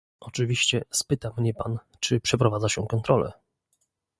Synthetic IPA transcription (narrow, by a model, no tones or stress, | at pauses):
ʔɔt͡ʂɘvʲiɕt͡ɕɛspɘt̪amɲɛpan | t͡ʂɘpʂɛpɾɔvad̪zaɕɛkɔnt̪ɾɔlɛ̰